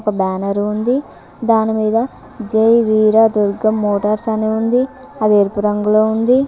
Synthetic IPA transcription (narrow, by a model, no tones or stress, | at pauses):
ɔkɐbaːnɐɾund̪i | d̪aːnimiːd̪ɐ | d͡ʒejʋiːɾad̪uɾɡɐmːoːʈɐɾsɐneund̪iɐd̪eɾpuɾɐŋɡuloːund̪i